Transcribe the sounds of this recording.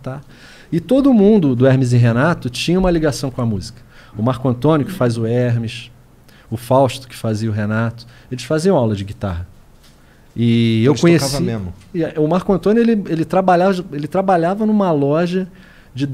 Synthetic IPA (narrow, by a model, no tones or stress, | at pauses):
t̪a | ɪt̪od̪ʊmũnd̪ʊd̪ʊɛhmizɪɦenat̪ʊt͡ʃĩɲɐũmɐliɡasɐ̃w̃kõɐmuzikɐ̥ʊmaɾkʊɐ̃t̪õnʊkɪ̥fajzʊɛɦmɪʃ | ʊfawʃt̪ʊ̥kɪ̥faziɐʊɦenat̪ʊ̥ | elɪsfaziɐ̃awlɐd͡ʒɪɡit̪aɦɐ | ɪewkõɲesavɐiemʊʊmaɾkʊɐ̃nt̪õnʊelɪelɪt̪ɾabaʎavɐelɪt̪ɾabaʎavɐnũmɐlɔʒɐ | d͡ʒɪd̪